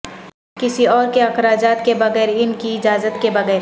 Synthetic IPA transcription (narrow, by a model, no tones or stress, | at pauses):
kɪsiɔːɾkeɐxɾaːd͡ʒaːt̪kebɐɣɛːɾɪnkiɪd͡ʒaːzət̪kebɐɣɛːɾ